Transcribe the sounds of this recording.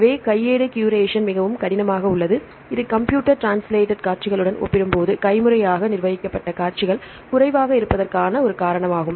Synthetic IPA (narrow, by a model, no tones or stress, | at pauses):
ʋeːkɐjːeːɽɯkjuːɾeːʂɐnmɪɣɐʋɯmkɐɽɪnɐmaːɣɐʊɭːɐðɯ | ɪðɯkɐmpjuːʈːɐɾʈɾaːnsleːʈːɐɖkaːɾt͡ʃɪɣɐɭɯɽɐnʔɔ̰pːɪɾɯmpoːðɯkɐɪmɯɾɐjaːɣɐnɪɾʋɐðɪkːɐpːɐʈːɐkaːɾt͡ʃɪɣɐɭ | kʊrɐɪʋaːɣɐɪɾɯpːɐðɐrkaːnɐɔɾɯkaːɾɐɳɐmaːɣɯm